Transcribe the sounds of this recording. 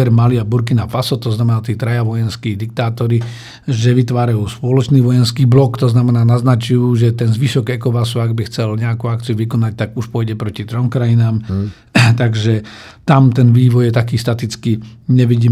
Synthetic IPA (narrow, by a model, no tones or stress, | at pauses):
ɛɾmaliabuɾk̬inafasɔt̪ɔznamɛnaːt̪iːt̪ɾajaʋɔjɛnskiːd̪ik̚t̪aːt̪ɔɾi | ʒɛʋit̪ʋaːɾajuːspɔlɔt͡ʃniːʋɔjɛnskiːblɔkt̪ɔznamɛnaːnaznat͡ʃujuːʒɛt̪ɛnzʋiʃɔɡɛkɔpas̬uaɡbixt͡sɛlɲɛakuakt͡siuʋikɔnac̚t̪aɡuʃpʊɔjɟɛpɾɔcit̪ɾɔmkɾajinaːm | t̪aɡʒɛt̪amt̪ɛnʋiːʋɔjjɛt̪akiːst̪at̪it͡skiɲɛʋiɟiː